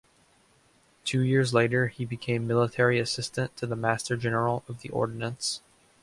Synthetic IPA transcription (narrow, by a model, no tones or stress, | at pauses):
tʰʉjɪɹzleɪɾə˞ibɨkʰẽɪ̃mːɪlˠətʰɛɹiɨsɪstɨ̃ntʰɨðəmæstə˞d͡ʒɛnə˞l̩ˠʌvðiʔɔ̰ɹdⁿn̩ə̃ns